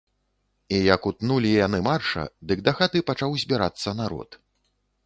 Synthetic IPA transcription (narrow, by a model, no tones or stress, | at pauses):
ijɐkut̪nulʲijanɨmarʂɐ̰d̪ɨɡ̚d̪axat̪ɨpat͡ʂawzʲbʲiɾa̰t̪sːɐnaɾɔ̰t̪